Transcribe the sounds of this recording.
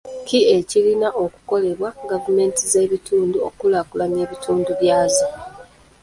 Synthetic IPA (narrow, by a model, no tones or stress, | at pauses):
kiecilinaʔoku̥ko̞le̞βwaɡavume̞ːntize̞ːβituːnduo̰kulakulane̞ːβitʰuːnduβjaːzo